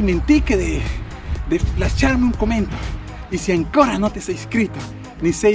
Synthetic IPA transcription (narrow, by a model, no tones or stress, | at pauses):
ment̪ikeðe | d̪elat͡ʃaɾmeuŋkomẽnt̪o̥ | isiaŋkoɾanot̪esaiskɾit̪o | nise